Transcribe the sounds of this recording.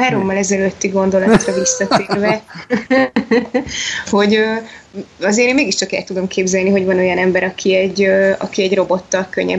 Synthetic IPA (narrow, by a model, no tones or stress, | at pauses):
ɦaːɾo̞mːɒlɛzɛløt̪ːiɡo̞nd̪o̞lɒt̪rɒvisːɒt̪eːrvɛ | ho̞ɟøː | ɒzeːɾeːnmeːɡiʃt͡ʃɒkɛ̰lt̪ud̪o̞mkʰeːbzɛlniɦo̞ɟvɒno̞jɒnɛmbɛɾɒkʰiɛɟːøɒ̰kiɛɟro̞bo̞t̪ːɒkø̰ɲːɛ̰